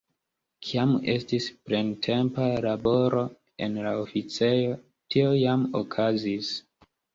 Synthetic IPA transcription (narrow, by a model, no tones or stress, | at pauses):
kʰiame̞stispɾentʰe̞mpalabo̞ɾo̞ | e̞̰nlaofit͡se̞jo̞ | tio̞jamokʰazis